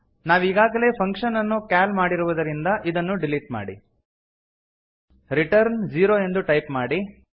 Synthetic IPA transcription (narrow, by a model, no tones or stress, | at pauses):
naːʋiːɡaːɡɐle̞ːpʰɐŋkʂɐnːɐnːukaːlmaːɽiɾuʋud̪ɐɾind̪ɐʔid̪ɐnːuɖiliʈ̚ma̰ːɽḭ | ɾiʈɐɾnd͡ʒiːɾoːe̞nd̪uʈɐjpmaːɽi